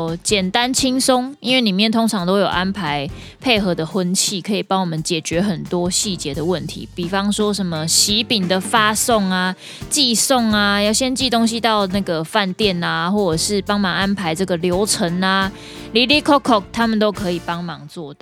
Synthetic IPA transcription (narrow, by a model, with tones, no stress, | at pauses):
t͡ɕjɛ˨˩nt̪a˦nt͡ɕʰi˥ŋso˦ŋi˥nwe˥˩ni˨˩mjɛ˥˨nt̪ʰo˥ŋʈ͡ʂʰɑ˧˥ŋt̪o˥ʊjo˨˩ʊʔa˦˥npʰa˧˦ɪ | pʰe˥˩ɪxɤ˨˧˥d̪ə˨xwə˦˥nt͡ɕʰi˥˩kʰɤ˧˥i˨˩pɑ˥ŋwɔ˨˩mə˦nt͡ɕjɛ˨˩t͡ɕɥɛ˨˥xə˨˩nt̪wɔ˦ɕi˥˩t͡ɕjɛ˨˥d̪ə˨wə˥˨˩nt̪ʰḭ˨˦pi˨˩fɑ˧˥ŋʂwɔ˦ʂə˧˦nmə˧ɕi˨˥pi˨˩ŋd̪ə˩fa˦sɔ˥˩ŋa˨ | t͡ɕi˥˧so˥˩ŋa˨jɑ˥˩ʊɕjɛ˥nt͡ɕi˥˨t̪o˥ŋɕ̬i˦t̪ɑ˥˧ʊna˥˩ɡə˩fa˥˧nt̪jɛ˥˩na˨xwɔ˥˩ə˨˩ʂɻ̩˥˩pɑ˥ŋmɑ˨˩ŋa˦˥npʰa˧˥ɪʈ͡ʂɤ˥˩ɡə˨ljo˧˦˥ʊʈ͡ʂʰə˧˦na˨ | li˨˥li˥˩kʰɔ˥kʰːɔ˨˩k̚t̪ʰa˦mə˨nt̪o˥ʊkʰɤ˧˦i˨˩pɑ˦ŋmɑ˨˩˦ŋt͡swɔ˥˨t̪ɑ˥˨